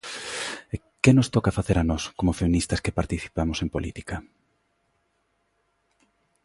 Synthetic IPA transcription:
e | kenʊst̪ɔkɐfaθeɾanɔskomofemĩnist̪ɐskepaɾt̪iθi̥pamʊsempolʔḭt̪i̥kɐ

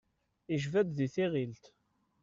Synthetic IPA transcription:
iʒvæd̪ðiθiʁilt̪

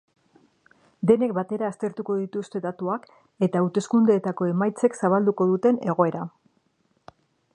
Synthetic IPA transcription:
d̪e̞ne̞k̚bat̪e̞ɾaːst̪e̞ɾt̪uko̞ðit̪ust̪e̞ðat̪uak | e̞t̪aːwt̪e̞skund̪e̞ːt̪ako̞e̞majt͡se̞ksaβald̪uko̞ðut̪e̞ne̞ɣ̞o̞e̞ɾa

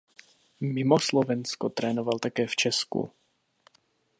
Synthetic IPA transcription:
mɪmoslovɛnskot̪ɾɛːnovalt̪akɛːft͡ʃɛskṵ

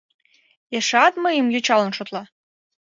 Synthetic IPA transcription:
eʃɑt̪məjəmjøt͡ɕɑlə̆nʃot̪lˠɑ

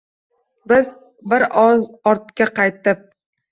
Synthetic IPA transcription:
bɪz | bɪɾɒzɒɾt̪̚kʲaqɑjt̪ɪp̚

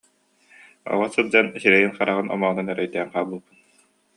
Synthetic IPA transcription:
ɔ̰ʁɔsɯlˠd͡ʑanisiɾɛjinχaɾaʁɯnɔ̰mɔʁɯnanœɾœjd̪æːɴqaːbulˠbɯn

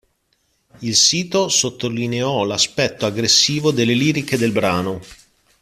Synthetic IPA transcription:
ilsiːt̪osot̪ːolineɔlaspɛt̪ːoaɡɾesːiːvod̪elːeliːɾiked̪elbɾaːno

